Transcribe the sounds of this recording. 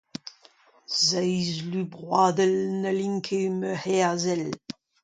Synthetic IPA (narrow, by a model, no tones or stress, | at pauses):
zɛjzlybʁwaːd̪əlnəliŋkʰeməhɛazɛl